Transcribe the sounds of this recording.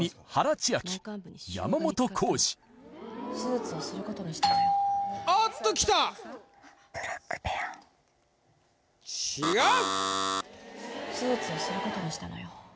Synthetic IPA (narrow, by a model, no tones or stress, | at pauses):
ihaɾat͡ɕiakʲi̥ja̰mamo̞t̪o̞kʰo̞ːɕi̥ | sɨːt͡sɨosɨɾɯ̟ko̞t̪oɲiɕi̥t̪a | at̪ːokʲi̥t̪a | ɾpe | t͡ɕiɡa | ɕɨːt͡sɨosɨɾɯ̟ko̞t̪o̞ɲiɕi̥t̪ano̰jo